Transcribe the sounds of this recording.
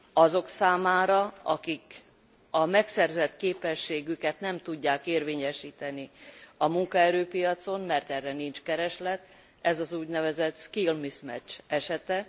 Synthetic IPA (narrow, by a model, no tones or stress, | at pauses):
ɒzo̞ksaːmaːɾɒɒkik | ɒmɛksɛrzɛt̪keːpɛʃːeːɡykɛt̪nɛmt̪uɟːaːkeːrveːɲɛʃiːt̪ɛniɒmuŋkɒɛɾøːpijɒt̪so̞nmɛrt̪ɛrːɛnint͡ʃkɛɾɛʃlɛt̪ | ɛzɒzuːɟnɛvɛzɛt̪skilmismɛ̰t͡ʃːɛʃɛt̪ɛ